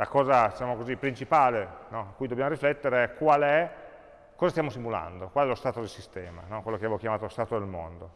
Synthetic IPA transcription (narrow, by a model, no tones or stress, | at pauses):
lakɔːzad̪it͡ʃaːmokozipːɾint͡ʃipaːlenɔakːujd̪objamoɾiflɛt̪ːeɾeɛkwaːlɛ | kɔzast̪jamosimula̰nd̪okwalɛlost̪aːt̪od̪esist̪ɛːma̰nɔkwelokeavɛvokjamaːt̪ost̪aːt̪od̪elmo̰nd̪o